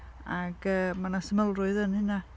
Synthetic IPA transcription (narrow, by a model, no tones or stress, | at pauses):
aɡ̥əːmanasəməlˠrʊɨðənhɪna